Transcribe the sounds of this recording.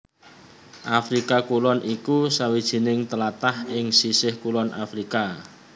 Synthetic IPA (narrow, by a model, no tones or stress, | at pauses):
ʔafɾikakulɔnʔikusawid̥ʒ̥i̤nɪŋt̪əlat̪ahɪŋsisɪhkulɔnʔa̰fɾika